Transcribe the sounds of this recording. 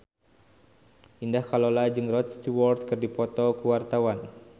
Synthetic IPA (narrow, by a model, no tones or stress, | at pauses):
ʔindahkalɔlad͡ʒɨŋrɔt̪st̪uwɔrt̪̚kɨrdipɔt̪ɔkəwart̪awan